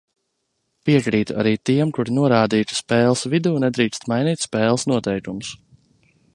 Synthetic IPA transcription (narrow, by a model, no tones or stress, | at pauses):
piɛkɾiːt̪uʔa̰ɾiːt̪iɛmkuɾinuɔɾaːd̪iːt̪u̥spɛːlˠsvid̪uːnɛd̪ɾiːkst̪majniːt̪ʲspɛːlˠsnuɔt̪ɛjkumus